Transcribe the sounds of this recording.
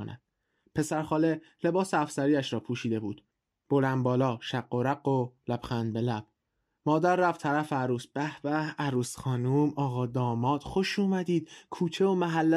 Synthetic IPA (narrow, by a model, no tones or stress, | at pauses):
onæ̰d̪̥ | pʰe̞sæɾxɒːle̞ | le̞bɒːseæfsæɾiːæʃɾɒːpʰuːʃiːd̪e̞bṵːd̪̥ | b̥olænd̪̚bɒːlɒːʃæqːoɾæɢolæbxænd̪̚be̞læb̥ | mɒːd̪æɾːæft̪ʰæɾæfeæɾuːsb̥æhbæhæɾuːsxɒːnuːmɒːɣɒːd̪ɒːmɒːd̪̥xo̞ʃuːmæd̪iːd̪̥kʰuːt͡ʃʰe̞omæɦælːæ